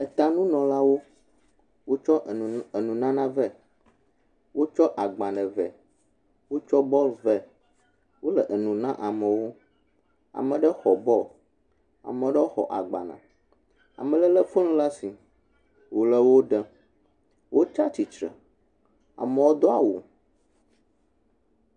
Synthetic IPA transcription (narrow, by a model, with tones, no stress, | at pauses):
ɛ˨t̪a˨nũ˦nɔ̃˨la˦wo˦ | wo˦t͡ʃɔ˦e˨nũ˨nã˦nã˦vɛ˦ | wo˦t͡ʃɔ˦ʔa˨ɡ͡bã˨ɖɛ˨vɛ˨ | wo˦t͡ʃɔ˦bɔ˦lvɛ˦ | wo˦lɛ˨ʔe˨nũ˨nã˦ʔa˨mɛ̃˨wo˦ | a̰˨mɛ̃˨ɖɛ˦xɔ˨bɔ˦l | a̰˨mɛ̃˨ɖɛ˦wo˦xɔ̰˨ʔa̰˨ɡ͡ba̰˨nã̰˨ | a̰˨mɛ̃˨lɛ˦lɛ˦fo˦lũ˦la˦si˨ | wo˨lɛ˦wo˦ɖə˦ | wʔo˦t͡ʃa˦t͡ʃi˨t͡ʃɾə̰˨ | a̰˨mɛ̃˨wo˦d̪ɔ˦a̰˨wo˨